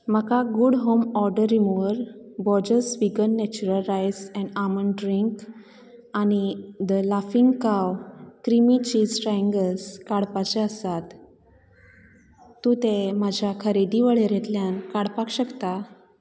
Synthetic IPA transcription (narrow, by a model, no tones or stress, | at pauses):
m̤əkaɡuɽɦomɔɾɖəɾimoɾbɔd͡ʑəsʋiɡənːɛt͡ɕuɾəlɾajsɛ̃ɳɖamənɖɾiŋk | añid̪əlafiŋɡkawkɾimit͡ɕiːd͡zʈɾaĩŋɡəskaɽpat͡ɕeəsat̪ | ũt̪emad͡ʑʱjakʰəɾed̪iʋəɭeɾẽt̪ljankaɽpakɕəkt̪a